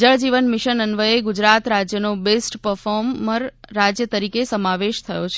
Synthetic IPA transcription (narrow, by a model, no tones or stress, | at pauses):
d͡ʒəɭd͡ʒiʋənmɪʃənənʋəeɡud͡ʒɾat̪ɾad͡ʒjənobesʈpəɾfɔɾmːəɾːad͡ʒjət̪əɾikesəmaʋeʃt̪ʰəjot͡ʃʰ